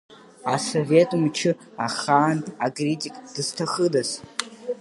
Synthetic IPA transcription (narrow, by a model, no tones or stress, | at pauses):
aso̞vetʼumt͡ʃʰɪ | aχaːnakʼritʼikʼd̥ɨz̥tʰaχədas